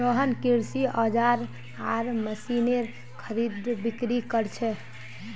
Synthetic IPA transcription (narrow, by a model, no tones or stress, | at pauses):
t̪əɦənkiɾsiəd͡ʒaɾ | aɾməsineɾ | kʰəɾid̪bikɾikəɾt͡ʃʰɛ